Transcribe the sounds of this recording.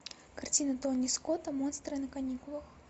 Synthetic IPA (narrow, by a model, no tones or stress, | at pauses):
kart͡sʲinɐt̪ɔnːʲiskɔt̪ɐmɔnst̪ɾɨɐnɐkanʲikʊlˠəx